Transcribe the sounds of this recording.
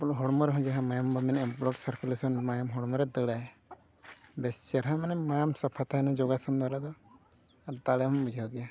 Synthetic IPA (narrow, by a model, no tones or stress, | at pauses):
pulɦɔɽmɔɾɛɦɔ̃d͡ʒaɦamajambɔmɛnɛmplɔʈsəɾkulesɔnmajamɦɔɽmɔɾɛd̪əɽaj | bɛst͡ʃɛɾɦamanɛmajamsapʰat̪ʰanad͡ʒɔɡasɔnd̪aɾad̪ɔ | aɾt̪alɛmɔmbud͡ʒʱaaɡɛja